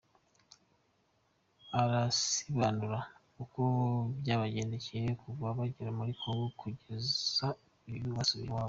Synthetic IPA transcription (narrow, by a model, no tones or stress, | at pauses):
aɾasiβaːnuɾa | ukobjaːβaɟe̞ːnde̞cejekuvaβaɟiɾamuɾikʰoɡokʰuɟe̞za | ijuβasuβiiwaːβo